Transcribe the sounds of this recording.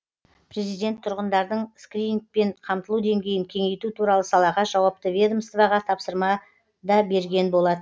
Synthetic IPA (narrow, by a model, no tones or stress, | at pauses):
pʰɾe̞zijd̪e̞nt̪ʰʊɾʁənd̪ɑɾd̪əɴskrʲik̚pe̞ɴqʰɑmt̪əlˠud̪e̞ŋɡʲe̞jɪŋkʲʰe̞ŋe̞jt̪ut̪ʰuɾɑlˠəsɑlˠɑʁɑʒɑwɑp̚t̪əvʲed̪omst̪vɑʁɑt̪ʰɑpsəɾmɑ | d̪ɑbe̞ɾɡʲe̞nbo̞lˠɑd̪ə